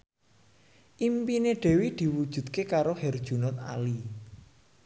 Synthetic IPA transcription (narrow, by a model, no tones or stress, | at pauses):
ʔimpineɖ̥e̤wid̪̥i̤wud̥ʒ̥ṳt̪̚kekaɾohɛrd̥ʒ̥ṳnʊt̪̚a̰li